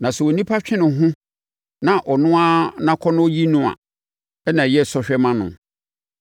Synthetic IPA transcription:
nã˨sɛ˨wo˨nĩ˦pʰa˦t͡ɕᶣɪ̃˦nʊ̃˨ɦʊ̃˦ | nã˨ʔɔ˨nʊ̃˦a˦nã˦kʰɔ˦nʊ̃˦ɔ˦ji˦nũ˦˨a̰˨ | ɛ˦nã˨jɛ˦˨sɔ˦ɕᶣɛ˦mã˦nʊ̰̃˨

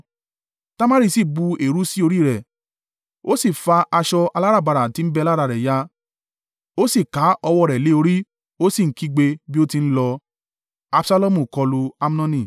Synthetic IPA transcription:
ta˦ma˦ɾi˦˧˨si˦˨bu˧e˨ɾu˦si˦o˧ɾi˦˨ɾɛ˨ | o˦si˦˨fa˧ʔa˧ʃɔ˧a˧la˦ɾa˦˨ba˧ɾa˨tĩ˨˧˦n̩˦bɛ˧la˦ɾa˧˨ɾɛ˨ja˧˦ | o˦si˦˨ka˨˦ɔ˧wɔ˧˨ɾɛ˨le˨˦o˧ɾi˦ | o˦si˦˨ŋ̩˨˦ki˧ɡ͡be˧bi˦o˦ti˧n̩˦lɔ˧ | a˦bsa˦lɔ˦˨mũ˨kɔ˧lu˧a˦m̩˦nɔ̃˧nĩ˧˨

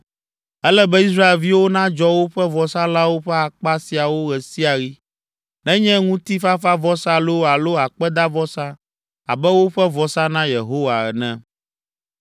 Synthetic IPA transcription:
ɛ˦lɛ˦bɛ˦i˦s̬ɾa˦e˨lvi˦wo˦nã˦d͡ʒɔ˦wo˦ɸɛ˦vɔ˨sa˦la˦wo˦ɸɛ˦a˨k͡pa˦si˨a˨wo˦ɣɛ˨si˦a˨ɣi˦ | nɛ̃˦ɲɛ̃˦ŋũ˦t̪i˦fa˦fa˦vɔ˦sa˦lo˦a˨lo˦a˨k͡pɛ˦d̪a˦vɔ˦sa˦ | a̰˨bɛ˦wo˦ɸɛ˦vɔ˨sa˦nã˦je˨ɦo˦wa˨ɛ̰˨nɛ̃˦

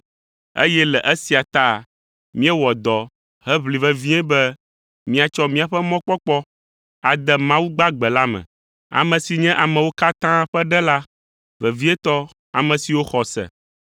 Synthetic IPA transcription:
ḛ˦jɛ˦lɛ˨ʔɛ˦si˨a˨t̪a˦˨ | mĩ˦ɛ˦wɔ˨d̪ɔ˨ | hɛ˦βli˨vɛ˨vĩ˦ɛ̃˦bɛ˦ | mĩ˦a˨t͡ʃɔ˦mĩ˦a˨ɸɛ˦mɔ̃˦k͡pɔ˦k͡pɔ˦ | a˨d̪ɛ˨mã˦wu˦ɡ͡ba˦ɡ͡bɛ˨la˦mɛ̰̃˨ | a̰˨mɛ̃˨si˨ɲɛ̃˦ʔa˨mɛ̃˨wo˦ka˦t̪ã˦ɸɛ˦ɖɛ˦la˦ | vɛ˨vi˦ɛ˦t̪ɔ˦ | a˨mɛ̃˨si˨wo˦xɔ˨sɛ̰˨

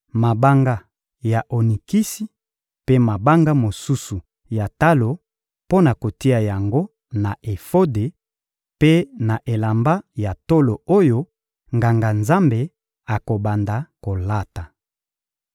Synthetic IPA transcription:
ma˨ba˦ŋɡa˦ | ja˨ʔo˨ni˨ki˦si˦ | pe˦ma˨ba˦ŋɡa˦mo˨su˦su˨ | ja˨ta˦lo˨ | po˦na˨ko˨ti˦a˨ja˨ŋɡo˦ | na˨ʔe˨fo˦de˨ | pe˦na˨ʔe˨la˨mba˦ja˨to˦lo˨o˦jo˦ | ŋɡa˨ŋɡa˨nza˦mbe˨ | a˨ko˨ba˨nda˨ko˨la˦ta˨

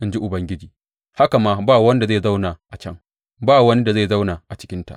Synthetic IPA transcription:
ʔɪ˦nd͡ʒi˦ʔʊ˨bɐ˦ŋɡʲɪ˦d͡ʒiː˨ | ha˦ka˨maː˦baː˦˨wɐ˦n˦da˨zaː˦˨za˦wnaː˨ʔa˨t͡ʃɐ˦ŋ | baː˦˨wɐ˦ni˦da˨ze˦˨za˦wnaː˨ʔa˨t͡ʃɪ̥˦kʲɪ˦nta̰˨ʔ

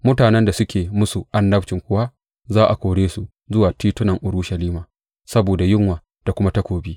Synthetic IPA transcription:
mʊ˦taː˨nɛ˦nda˨sʊ˦kʲʰeː˨mʊ˦su˨ʔa˦ndɐ˦bt͡ʃɪ˨ŋkʷʊ˦wa˦ | zaː˦ʔa˨kʷoː˨ɽeː˦su˨ | zʊ˦waː˨tiː˦tʊ˦nɐ˨ŋʔʊ˨ɾu˦ʃɐ˨liː˦maː˨ | sɐ˦boː˨da˨jɪ˦ŋwaː˨ | d̥a˨kʷʊ˦ma˦ta˦kʷoː˨biː˦

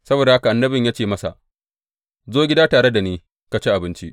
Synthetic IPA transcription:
sɐ˦boː˨da˨ha˦ka˨ʔa˨nːɐ˦bɪ˨ɲjaː˦t͡ʃeː˦˨mɐ˦sa̰˨ʔ | zoː˦ɡʲɪ˦daː˦taː˨ɽe˦da˨neː˦ | ka˨t͡ʃe˦ʔa˨bɪ˦nt͡ʃi˦ʔ

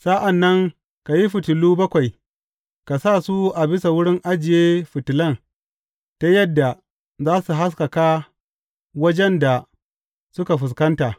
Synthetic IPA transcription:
sa˦ʔa˨nːɐ˦ŋ | ka˨ji˦ɸɪ˨tʊ˨luː˦bɐ˦kʷa˨j | ka˨sa˦˨su˦ʔa˨bɪ˦sa˨wʊ˦ɽɪ˦ŋʔa˦d͡ʒɪ˨jeː˦ɸɪ˨tɪ˨lɐ˦˨n | ta˦jɐ˦dːa˨ | zaː˦su˨ɦa˦ska˨kaː˦ | wɐ˦d͡ʒɛ˦nda˨ | sʊ˦ka˨ɸɪ˨s̬kɐ˦nta˨

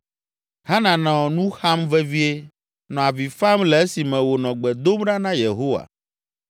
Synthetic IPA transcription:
ha˦nã˨nɔ̃˨nũ˦xa˦mvɛ˦vi˦e˦ | nɔ̃˨a˨vi˨fa˦mlɛ˨e˦si˨mɛ̃˨wo˨nɔ̃˨ɡ͡bɛ˨d̪o˦mɖa˦nã˦je˨ɦo˦wa̰˨

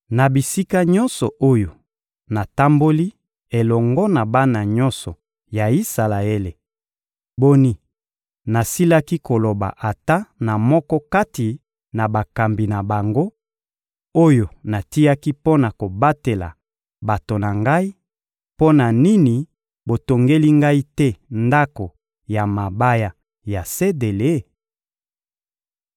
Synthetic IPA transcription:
na˨bi˨si˦ka˦ɲɔ˦nsɔ˨ʔo˦jo˨ | na˨ta˦mbo˦li˦ | e˨lɔ˨ŋɡɔ˦na˨ba˦na˨ɲɔ˦nsɔ˨ | ja˨i˦sa˨la˨e˦le˨ | bo˦ni˦ | na˨si˦la˦ki˦ko˨lo˨ba̰˨ʔa˨ta˦na˨mɔ˦kɔ˦ka˦ti˨ | na˨ba˨ka˨mbi˨na˨ba˨ŋɡo˦ | o˦jo˨na˨ti˦ja˦ki˦po˦na˨ko˨ba˦te˨la̰˨ | ba˨to˨na˨ŋɡa˦i˦ | po˦na˨ni˦ni˨ | bo˨to˨ŋɡe˦li˦ŋɡa˦i˦tɛ˦nda˦ko˨ | ja˨ma˨ba˦ja˦ | ja˨se˦de˨le˦

